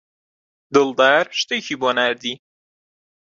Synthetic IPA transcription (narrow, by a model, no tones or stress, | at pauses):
d̪ɨld̪aːɾʃt̪eːcʰiːboːnæːɾd̪iː